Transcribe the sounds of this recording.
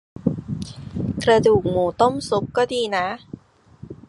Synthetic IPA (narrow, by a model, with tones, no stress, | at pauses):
kɾa˧duː˨˩k̚muː˨˩˦t̪o˥˩msu˨˦˥k̚kːɔː˥˩diː˧na˦˥